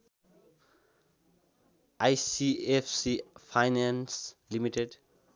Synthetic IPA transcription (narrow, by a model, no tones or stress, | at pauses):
ʔajsiɛfsifajnãnslimiʈeɖ